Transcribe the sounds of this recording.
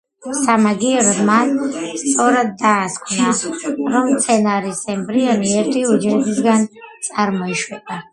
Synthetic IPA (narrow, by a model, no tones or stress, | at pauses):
samaɡiɛɾɔbmanst̪sʼɔɾad̪ːaːskʷʰnaɾɔmt̪sʰɛnaɾisɛmbɾiɔniɛɾt̪ʰiud͡ʒɾɛbisɡant̪sʼaɾmɔiʃwɛpʼa